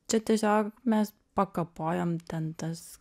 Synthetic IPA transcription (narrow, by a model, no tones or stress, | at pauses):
t͡ʃʲɛt̪ʲiɛsʲoːkmʲɛs | pɐkɐpoːjoːmt̪ʲɛnt̪ɐs